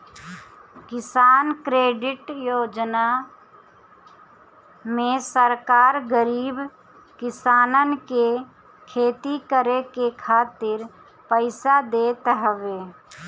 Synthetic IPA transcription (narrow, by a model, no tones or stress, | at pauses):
kɪsaːnkɾeːɖɪʈjoːd͡ʒna | mẽsəɾkaːɾɡəɾiːb | kɪsaːnənke | kʰeːt̪ikəɾekekʰaːt̪ɪɾ | pəɪsad̪eːt̪ɦəʋeː